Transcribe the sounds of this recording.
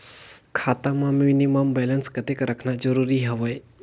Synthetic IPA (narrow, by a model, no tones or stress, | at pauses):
kʰaːt̪ãmãminiməmbɛlənskət̪ekɾəkʰnad͡ʒəɾuɾiɦɐʋəj